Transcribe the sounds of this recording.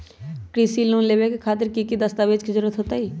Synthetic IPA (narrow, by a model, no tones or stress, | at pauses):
kɾisilũːnleːʋekekʰaːt̪ɪɾkikid̪əst̪aːʋeːd͡ʒkid͡ʒəɾət̪ɦoːt̪aiː